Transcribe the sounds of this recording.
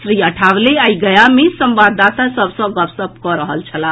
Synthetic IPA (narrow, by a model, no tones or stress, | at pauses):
sɾiəʈʰawleajɡəjamesəmbad̪at̪asəbʱsə̃ɡəpsəb̚kɔɾəɦəlt͡ʃʰəla